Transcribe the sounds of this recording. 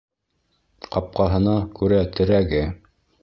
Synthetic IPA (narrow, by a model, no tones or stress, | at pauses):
qɑp̚qɑɦɤ̆nɑkʉɾæt̪ʰɘ̆ɾæɡɘ